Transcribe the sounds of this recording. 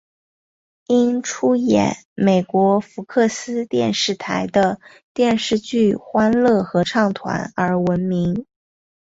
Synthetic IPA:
i˥nʈ͡ʂʰu˥jɛ̰˨˩n | me˨˩ɪkwɔ˧˥fu˧˥kʰɤ˥˩sɹ̩˥t̪jɛ˥˧nʂɻ̩˥˩t̪ʰa˧˥ɪd̪ə˧ | t̪jɛ˥˧nʂɻ̩˥˧t͡ɕy˥˩xwa˥nlɤ˥˩xɤ˧˥ʈ͡ʂʰɑ˥˩ŋt̪ʰwa̰˧˥nə˞˧˥wə˧˥nmi˧˥ŋ

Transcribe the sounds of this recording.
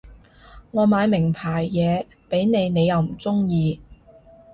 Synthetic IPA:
ŋɔː˨˧maː˨˧jmɪ˨˩ŋpʰaː˨˩jːɛː˨˧ | pe˨˥jne˨˧jne˨˧jɐ˨˧wm̩˨˩t͡sʊ˥ŋjiː˨˧

